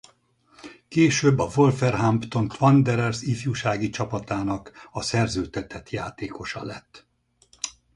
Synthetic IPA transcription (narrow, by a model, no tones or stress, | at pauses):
keːʃøbːɒvo̞lfɛrɦampt̪o̞nt̪vɒnd̪ɛɾɛrsifjuʃaːɡit͡ʃɒpɒt̪aːnɒkɒsɛrzøːt̪ɛt̪ɛt̪jaːt̪eːko̞ʃɒ̰lɛt̪ː